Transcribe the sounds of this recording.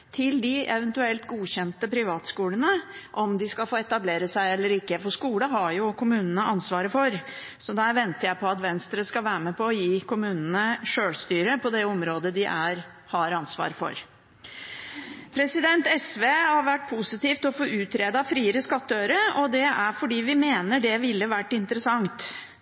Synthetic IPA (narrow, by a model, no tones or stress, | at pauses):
t̪ʰɪld̪ɪɛʋənt̪ʉɛlt̪ɡuːɕɛnt̪əpʰɾɪʋɑːt̪skuːlənəʔɔmd̪ɪskɑlfoːɛt̪ɑbleːɾəsæɪɛlːəɾɪkːəfɔʂkuːləɦɑɾjʊkʰʊmʉːnənəʔɑnsʋɑːɾəfɔɾ | sɔd̪æɾʋɛnt̪əjæɪpʰɔɑt̪ʋɛnst̪ɾəskɑʋæːɾəmɛpɔːjiːkʰʊmʉːnənəʂøːɭst̪yːɾəpʰɔd̪ɛɔmɾoːd̪əd̪ɪʔæɾ | hɑɾɑnsʋɑ̰ːɾfɔ̰ɾ | pʰɾɛsɪd̪ɛnt̪ɛsʋeːhɑɾʋæʈ̚ːpʰʊsɪt̪iːft̪ɔfoːʔʉːt̪ʰɾeːd̪ɑfɾiːəɾəskɑt̪ːəøʏɾəɔd̪ɛæɾfɔɖiːʋɪmeːnəɖɛʋɪlːəʋæʈːɪnt̪əɾəsɑŋt̪